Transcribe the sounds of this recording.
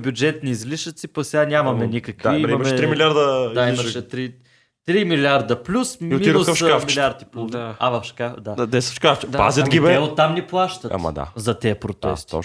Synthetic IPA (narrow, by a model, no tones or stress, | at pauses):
bʲjʊd͡ʒɛt̪niːzliʃət̪sipɐksɛɡanʲamɐmɛnikəkviimɐmmɛɾimilʲiaɾd̪əd̪aimɐʃɛt̪ɾi | t̪ɾimilʲaɾd̪əplʲusmiisəfʃkafmilʲiaɾd̪ipluavɐfʃkad̪aad̪ɛsə̥ʃkaft͡ʃɛpa̰zɛt̪ɡʲibɛɛot̪ːamniplˠaʃt̪ɐt̪a̰m̰d̪a̰zɐt̪ɛəpɾot̪ɛ̰st̪